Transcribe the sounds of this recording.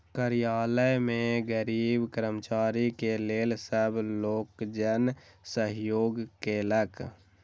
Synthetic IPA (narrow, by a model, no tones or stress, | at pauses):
kəɾijaːləmẽɡəɾiːbkəɾəmt͡ʃaːɾikeleːlsəbloːkd͡ʒənsəɦjoːɡkelək